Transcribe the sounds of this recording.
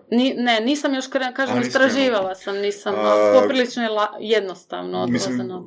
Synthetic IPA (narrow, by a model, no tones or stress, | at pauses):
nine̞niːsamjoʃkɾekaːʒemist̪ɾaʒiːʋalasamniːsamopɾilit͡ʃnoilajed̪nost̪a̰ʋnood̪nseno